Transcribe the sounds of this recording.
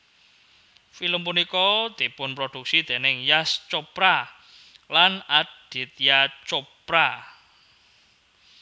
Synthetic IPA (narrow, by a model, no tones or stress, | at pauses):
filəmpunikɔd̪̥i̤pʊnpɾod̪̥uk̚sid̪̥e̤nɪŋjast͡ʃopɾa | lanad̥i̤t̪̚jat͡ʃopɾa